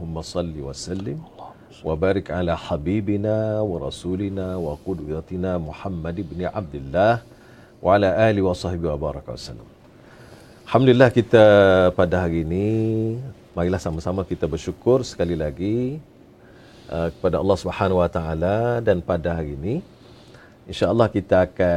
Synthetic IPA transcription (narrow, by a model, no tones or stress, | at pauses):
lhʊmːasˤɑlːiwasalːɪm | wabaːɾɪkʕalaħabiːbinawɑɾˤɑ̰sulinawaqʊdwat̪inamuħamːadɪbniʕab̚d̪ɪlːah | wʔaʕalaʔaliwɑsˤɑhbiwabaɾˤɑkawa̰sa̰lːa̰m | lħamdulilːahkit̪apadaɦaɾiːni | maɾilahsamasamakit̪abərʃukʊrsə̥kalilaɡi | ʔəkə̥padaɑlːɑhsubħanawat̪aaladanpadaɦaɾiːni | inʃaʔəlːɑhkit̪aːka